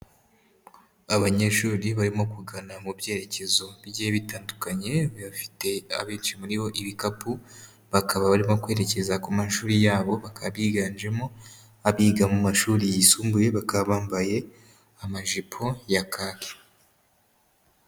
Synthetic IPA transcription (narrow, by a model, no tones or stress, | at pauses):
aβaɲe̞ʃuːɾiβaɾimo̞kuɡanamubje̞ːɾe̞ce̞zo̞bjeβitaːndukaɲe̞ββafi̥te̞a̰βiːnt͡ʃimuɾiβo̞ʔiβikapu | βakʰaβaβaɾimo̞kwe̞ːɾe̞ce̞zakumaʃuːɾijaːβoβakʰaβiːɡaːnd͡ʒe̞mo̞ | aβiːɡamumaʃuːɾijisuːmbuje̞βakaβaːmbaje̞ | amaʒipʰo̞jakʰaːke̥